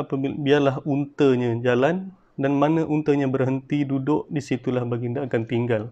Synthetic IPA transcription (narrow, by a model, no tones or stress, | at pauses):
apaibiarlaɦunt̪əɲãd͡ʒalan | danmanə̃ʔunt̪əɲãbərɦənt̪idudʊʔdisit̪ulahbaɡindaːkant̪iŋɡal